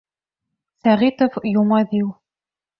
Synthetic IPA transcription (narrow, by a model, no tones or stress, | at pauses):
sæʁit̪ofjumɑd̪iw